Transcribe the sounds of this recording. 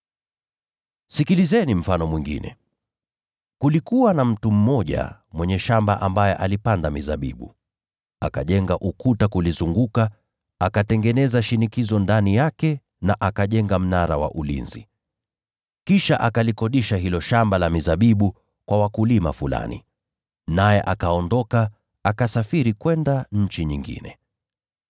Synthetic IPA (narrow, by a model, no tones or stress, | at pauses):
sikilizɛnim̩fanɔmwiŋɡḭnɛ̰ | kulikuwanam̩tum̩mɔʄa̰mwɛɲɛʃamba̰ʔambajɛʔalipandamizaɓḭɓṵ | aka̰ʄɛŋɡaʔukutakulizuŋɡuka | akatɛŋɡɛnɛzaʃinikizɔndanijakɛ | naʔakaʄɛŋɡam̩naɾa̰wa̰ʔulḭnzḭ | kiʃaʔakalikɔɗiʃaɦilɔʃambalamizaɓiɓu | kwawakulima̰fula̰nḭ | najɛʔakaɔndɔka | akasafiɾikwɛndaɲ̩t͡ʃiɲiŋɡḭnɛ̰